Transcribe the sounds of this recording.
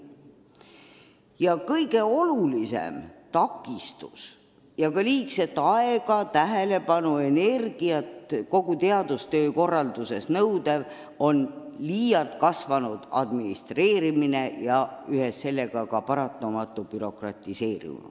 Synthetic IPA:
jɑkɤjɡ̥e̞o̞lulise̞̰mt̪ɑkːˑist̪us | jɑkɑliːkse̞t̪ːˑɑe̞ɡ̥ɑt̪æɦele̞pɑnue̞ne̞rɡ̥iɑt̪ko̞ɡ̥ut̪e̞ɑd̪̥ust̪øːko̞rːɑld̪use̞snɤwd̪̥ev | o̞nliːjɑlt̪kɑsvɑnud̪̥ɑ̰d̪minist̪re̞ːɾimine̞jɑyhesːe̞lːe̞ɡ̥ɑkɑpɑɾɑt̪ːˑɑmɑt̪ˑːub̥yɾo̞krɑt̪ˑise̞ːɾḭn̰

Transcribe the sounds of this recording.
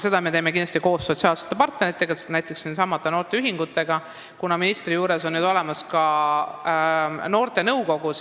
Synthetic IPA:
se̞d̪̥ɑme̞t̪e̞jme̞kind̪ɑst̪iko̞ːsːo̞t̪siɑːlset̪ːˑepɑrt̪neɾit̪ːˑe̞ɡɑnæjt̪ːˑe̞ksinsɑmːɑt̪ːˑeno̞ːrt̪e̞yɦiŋɡ̥ut̪ːˑe̞ɡ̥ɑ | kunɑminist̪rijuːɾe̞so̞nːyd̪o̞le̞mɑskɑ | no̞ːrt̪e̞nɤwko̞ɡ̥us

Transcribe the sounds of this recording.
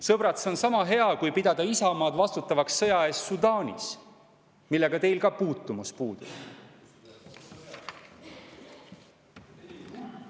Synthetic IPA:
sɤbɾɑt̪so̞nsɑmɑɦe̞ɑkujpid̪ɑd̪̥ɑisɑmɑːd̪vɑst̪ut̪ːˑɑvɑksːɤjɑe̞ːst̪sud̪ɑːnʲḭs | milːe̞ɡ̥ɑt̪e̞jlkɑpuːt̪ːˑumuspuːd̪̥ṵ̥

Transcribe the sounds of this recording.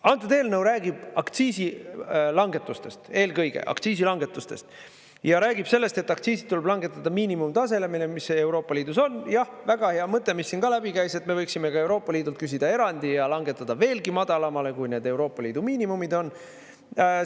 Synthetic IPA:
ɑnt̪ːˑud̪e̞ːlnɤwɾæːɡ̥ib̥ɑkt̪siːsilɑŋɡe̞t̪ːˑust̪e̞st̪e̞ːlɡɤjɡ̥e̞̰ʔɑ̰kt̪siːs̬ilɑŋɡe̞t̪ːˑust̪e̞̰st̪ | jɑɾæːɡib̥se̞lːe̞st̪e̞t̪ːˑɑkt̪siːsi̥t̪ːuleb̥lɑŋɡ̥e̞t̪ːˑɑd̪̥ɑmiːnimumt̪ɑse̞lemilemise̞uɾo̞ːpːˑɑliːd̪̥uso̞njɑh | væɡ̥ɑheɑmɤt̪ːˑe̞misːinɡ̥ɑlæbikæjse̞t̪ːˑme̞vɤjksime̞kɑe̞wɾo̞ːpːˑɑliːd̪ult̪kys̬ʲid̪̥ɑe̞ɾɑnd̪ijɑlɑŋɡ̥e̞t̪ːˑɑd̪̥ɑve̞ːlɡimɑd̪̥ɑlɑmɑle̞kujne̞ːd̪e̞wɾo̞ːpːˑɑliːd̪̥umiːnimumid̪o̞n

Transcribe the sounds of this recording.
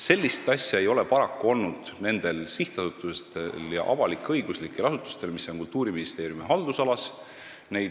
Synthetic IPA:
se̞lʲːist̪ɑsʲjɑe̞jo̞le̞pɑɾɑkːuo̞lnud̪̥ne̞nd̪̥e̞lsiht̪ɑsut̪ːˑust̪eljɑ̰ʔɑvɑlikːˑeɤjɡ̥uslikːˑelɑsut̪ːˑu̥st̪e̞lmisːonkult̪uːɾiminist̪e̞ːɾjumiɦɑld̪usɑlɑs | ne̞j

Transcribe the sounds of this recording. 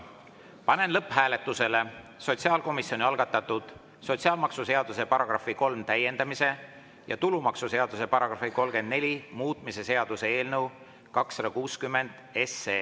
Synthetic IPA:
pɑne̞nlɤpːˑɦæːle̞t̪ːˑuse̞le̞ | so̞t̪ʲsiɑːlko̞misːio̞nʲiɑlɡ̥ɑt̪ːˑɑt̪ːud̪̥ | so̞t̪siɑːlmɑksuse̞ɑd̪̥use̞pɑɾɑɡ̥rɑfiko̞lmt̪æjːe̞nd̪ɑmise̞ | jɑ̰t̪ulumɑksuse̞ɑd̪̥use̞pɑɾɑɡ̥rɑfiko̞lɡe̞nd̪̥ne̞lʲimuːt̪ˑmise̞se̞ɑd̪̥use̞e̞ːlnɤw | kɑksɑd̪̥ɑkuːskymːe̞nd̪̥e̞seː

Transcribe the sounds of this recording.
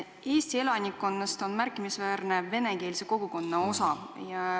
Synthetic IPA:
e̞ːst̪ie̞lɑnʲikːˑo̞nːɑst̪o̞nmærkˑːimisvæːrne̞ve̞ne̞ke̞ːliseko̞ɡ̥uko̞nːɑo̞sɑjɑ

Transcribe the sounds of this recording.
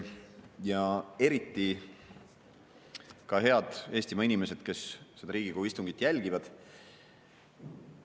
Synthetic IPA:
jɑe̞ɾit̪ːi | kɑɦe̞ɑd̪̥e̞ːsʲt̪imɑinime̞se̞d̪̥ke̞sse̞d̪̥ɑɾiːɡ̥ikohuist̪uŋɡ̥it̪ːˑjælʲɡ̥ivɑd̪̥

